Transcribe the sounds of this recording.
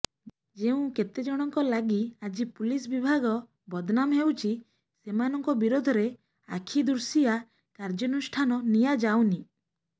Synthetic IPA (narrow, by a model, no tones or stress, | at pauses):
d͡ʒeũket̪ed͡ʒɔɽ̃ɔŋkɔlaɡiad͡ʒipulis̬bibʱaɡɔ | bɔd̪namɦewt͡ʃʰi | semanɔŋkɔbiɾod̪ʱɔɾe | a̰kʰid̪uɾsija | kaɾd͡ʒɔnusʈʰanɔnijad͡ʒawni